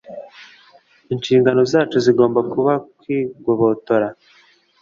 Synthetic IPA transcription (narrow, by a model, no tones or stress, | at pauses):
inʃiːŋɡano̞zaːt͡ʃuziɡo̞ːmbakuβakwiːɡoβo̞to̞ɾa